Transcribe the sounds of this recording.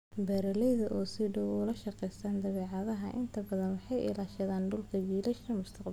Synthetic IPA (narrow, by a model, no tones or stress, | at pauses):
bɛɾɐlɛjðɐʔɔːsɪɖɔwɔlɐʃɑqɛjst̪ʰaːnd̪ɐβɛːʕɑðɐɦɐʔɪ̰nt̪ʰɐbɐðɐnwɑħɑjʔɪ̰laːʃɐðaːnɖʊlkʰɐɡiːlɐʃɐmʊst̪ʰɐqb